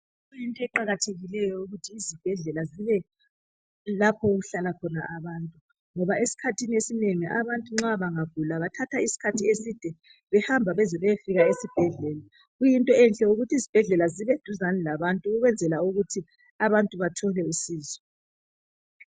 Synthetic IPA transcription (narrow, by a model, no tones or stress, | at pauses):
ɣujintʼɔɛǃaɣatʰeɣilɛjɔuɣutʰiːzib̥ʱɛɮɛlaziβɛ | lapʰɔoɣuɬalakʰɔnaʔaβaːntʼu | ŋɔβaesi̥kʰatʰiniesineŋiʔaβantʼuŋ͡ǁaβaŋav̥ʱulaβatʰatʰaisi̥kʰatʰiesid̥ʱɛ | βɛhambʱaβɛzɛβɛjfiɣaesib̥ʱɛɮɛːla | ɣujintʼɔɛnɬʼɛuɣutʰizib̥ʱɛɮɛlaziβed̥ʱuzanɛlaβantʼuɣuɣwɛnd͡zʱɛlauɣutʰi | aβantʼuβatʰɔlɛusiːzɔ